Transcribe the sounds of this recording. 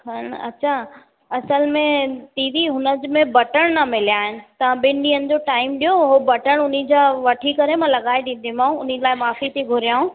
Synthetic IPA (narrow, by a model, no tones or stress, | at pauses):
ɦɐnɐ̰tːɕʰa | ɐsəlmẽt̪iːdiɦʊnəd͡ʑɪmẽbɐʈəɽ̃nɐmɪlijaːɦɪnɪ̆t̪ɐʋ̤ãɓɪ̃nɗĩːənɪ̆d͡ʑoːʈaːɪmɗijoɦobɐʈəɽ̃ʊnid͡ʑaʋɐʈʰikɐɾemãlɐɠaːeɗĩːn̆d̪imaːũʊn̤ilaːɪmaːfit̪ʰiɡʱʊɾijaːũː